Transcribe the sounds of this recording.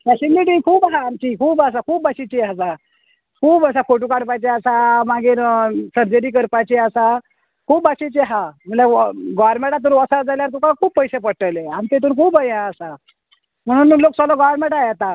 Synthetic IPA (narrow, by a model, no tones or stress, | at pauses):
t̪jaɕinliʈiŋkʰuːbɦaːmt͡ɕiːkʰuːbas̬akʰuːbaɕit͡ɕeəs̬a | kʰuːbəs̬afoʈ̬ukaɽpajt͡ɕeəsamaɡiːɾsəɾd͡ʑəɾiːk̬əɾpat͡ɕeəsa | kʰuːbaɕit͡ɕeɦam̤əlaɡɔɾmẽʈat̪uːɾʋəsad͡zaljaɾt̪ũkakʰuːbpəjsepəɽʈəleaɽ̃it̪et̪uːnkʰuːbəjãəsa | m̤əɽ̃uːnloːk̚sɔlɔɡɔɾmẽɳʈajat̪a